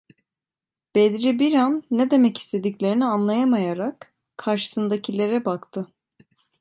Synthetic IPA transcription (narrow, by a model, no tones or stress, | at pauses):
b̥ed̪ɾibiɾanːed̪e̞mɛci̥st̪ʰe̞d̪iclʲe̞ɾinianlˠajamajaɾakʰː | aɾʃɯ̥sɯnd̪acʰilʲe̞ɾɛbakt̪ʰɯ